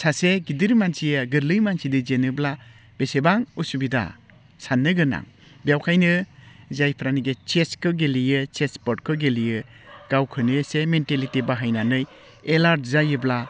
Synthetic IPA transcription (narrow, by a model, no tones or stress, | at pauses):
saseɡidiɾmansijɯɡɯɾlɯjmansidɯzenɯbla | b̥esebaŋusubida̰ | sanːɯɡɯna̰ŋ | bijawkʰajnɯzajpʰɾaniɡet͡ʃeskʰɯɡelijɯt͡ʃespɔɾʈ̚kʰɯɡelijɯ | ɡ̥awkʰɯnɯsementelitibaɦajnanɯj | elaɾtzajɯbla